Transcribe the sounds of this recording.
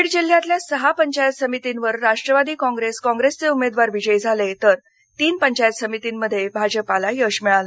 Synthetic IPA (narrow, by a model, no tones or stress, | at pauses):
ɽd͡ʑil̤ːjãt̪ljasəɦapəɲt͡ɕajət̪səmit̪inʋəɾːaʂʈɾəʋad̪iːkɔ̃ŋɡɾeskɔ̃ŋɡɾest͡seumed̪ʋaɾʋid͡ʑəjd͡zʱalet̪əɾ | t̪iːnpəɲt͡ɕajət̪səmit̪inməd̪ʱːjebʱad͡ʑəpalajəʂmɛɭal